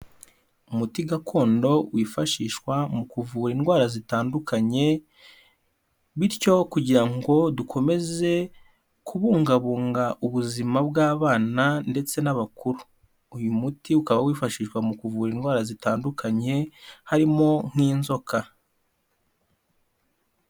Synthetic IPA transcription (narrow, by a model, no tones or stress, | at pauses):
umutiɡakʰo̞ːndo̞wiːfaʃiːʃkwamukuvuːɾiːnɡwaːɾazitaːndukʰaɲe̞ | βiɾco̞kuɟiɾaŋɡo̞dukʰo̞me̞ze̞ | kʰuβuːŋɡaβuːŋɡaʔuβuzimabɡaːβaːnande̞t͡se̞naβakuɾuː | jumutiukaβawiːfaʃiːʃwamukuvuːɾiːnɡwaːɾazitaːndukʰaɲe̞haɾimo̞ŋ̥iːnzo̞kʰa